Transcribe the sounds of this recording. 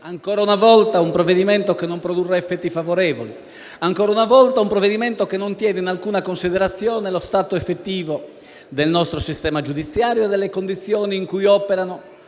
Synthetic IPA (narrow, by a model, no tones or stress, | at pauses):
aŋkɔːɾaunavɔlt̪aumpɾoved̪imɛnt̪okenːompɾod̪urːeɛfːɛt̪ːifavoɾɛːvoli | aŋkɔːɾaunavɔlt̪aumpɾoved̪imɛnt̪okenːont̪jɛːd̪einalkuːnakonsid̪ɛɾat̪sːjɔːnelost̪aːt̪oɛfːet̪ːiːvo | d̪elnɔst̪ɾosist̪ɛːmad͡ʒud̪it̪sːjaːɾjoed̪elːekond̪it̪sːjɔːniːŋkujɔpeɾano